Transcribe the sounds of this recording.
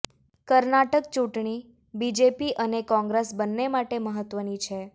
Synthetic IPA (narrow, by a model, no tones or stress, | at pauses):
kəɾnaʈək̚t͡ʃuʈɳ̃i | bid͡ʒepiʔənekɔ̃ŋɡɾesbənːemaʈeməɦət̪ʋənit͡ʃʰe